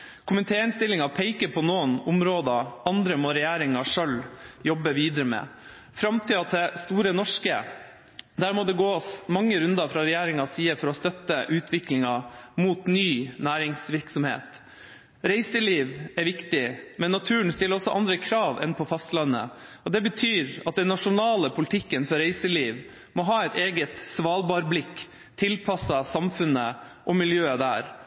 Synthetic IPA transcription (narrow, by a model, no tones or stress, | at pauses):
kʰʊmənt̪ʰeːɪnst̪ɪlɪŋɑpʰeɪkəpʰɔnoːnʊmɾoːd̪ɑɑnd̪ɾəmoːɾɛjæːɾɪŋɑʂœljɔbəʋiːd̪əɾəmɛ̰ː | fɾɑmt̪ʰɪːɑt̪ʰɛst̪uːɾənɔʂkə | d̪æːɾmoːd̪ɛɡoːsmɑŋːəɾʉnd̪ɑfɾɑːɾɛjæːɾɪŋɑsiːəfɔɾɔst̪œt̪ːəʔʉːt̪ʰʋɪklɪŋɑmuːt̪nyːnæːɾɪŋsʋɪɾksɔmhḛːt̪ | ɾæɪsəliːʋɛɾʋɪkt̪ɪmɛnːɑt̪ʰʉːnst̪ɪləɾɔsːɔ̰ʔɑnd̪ɾəkʰɾɑːʋɛ̰npʰɔfɑst̪lɑnːə̰ɔd̪ɛbət̪ʰyːɾɑt̪̚d̪ɛnːɑʂʊnɑːləpʰʊlt̪ʰɪkːənfɔɾæɪsəliːʋ | mɔɦɑːɛɪt̪eːɡət̪sʋɑːlbɑːɾblɪkː | t̪ʰːɪlpʰɑsɑsɑmfʉnə | ʔɔmɪljøːəd̪æ̰ːɾ